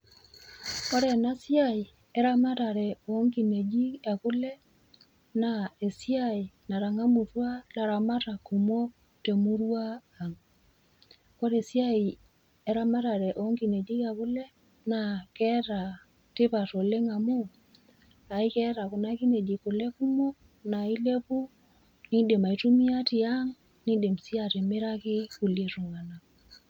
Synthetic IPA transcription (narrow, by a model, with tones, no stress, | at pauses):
kɔ˦ɾɛ˨na˦sja˦i˨ | ɛ˦ɾa˦ma˦ɾa˨ɾɛ˨o˨˦ŋki˨ne˨d͡ʒi˦ja˨kʊ˦lɛ˦ | na˨e˨sja˦i˨na˨ɾa˨ŋa˦mu˨ɾwa˦la˨ɾa˨ma˦ɾa˨ku˨mwo˦ | te˨mu˦ɾwa˦ | a˨ŋ | kɔ˦ɾe˨sja˦i˨ | e˨˦ɾa˦ma˦ɾa˨ɾɛ˨ʔɔ˨˦ŋɡi˨ne˨di˦ka˨kʊ˦lɛ˦ | na˨kɛ˦ɾa˨ | tɪ˦pa˨to˨le˦ŋa˨mu˦ | a˨i˦kɛ˦ɾa˨kʊ˨na˦ki˦ne˨di˨kʊ˨lɛ˦ku˦mo˦ | na˨i˦le˦pu˦ | ni˦de˨ma˨i˦tu˦mi˦a˦tɪ˨a˦ŋ | ni˦de˨msi˦a˨tɪ˨mɪ˦ɾa˦kɪ˦ku˨lje˨tu˨ŋa˨na˨k